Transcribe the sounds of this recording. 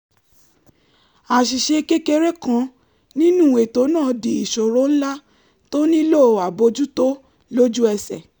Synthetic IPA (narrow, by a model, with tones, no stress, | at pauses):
a˨ʃi˨ʃe˧ke˦ke˧ɾe˦kã˨˧˦ | nĩ˦nũ˦˨e˨to˨˦nãː˦˨di˨i˨ʃo˨ɾo˦n̩˦la˦ | to˦nĩ˦lo˦˨a˨bo˧d͡ʒu˦to˦ | lo˦d͡ʒu˦ɛ˧sɛ̰˨